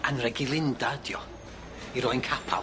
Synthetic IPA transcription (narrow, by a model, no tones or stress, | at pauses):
anrɛɡilˠɪndadjɔ | iɾɔjnkʰapʰa̰l